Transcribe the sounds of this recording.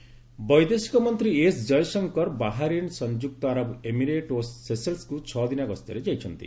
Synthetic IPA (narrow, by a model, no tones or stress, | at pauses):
bɔjd̪esi̥kɔmɔnt̪ɾiesd͡ʒɔjsɔŋkɔɾbaɦaɾinsɔnd͡ʒuk̚t̪ɔaɾɔbemiɾeʈosːeselskut͡ʃʰɔd̪inaɡɔst̪jɔɾed͡ʒajt͡ʃʰɔnt̪ḭ